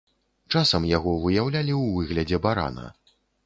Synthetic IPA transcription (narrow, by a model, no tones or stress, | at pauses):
t͡ʂasɐmjaɣɔvɨjawlʲalʲiwvɨɣlʲɐd͡zʲɛbaɾa̰nɐ̰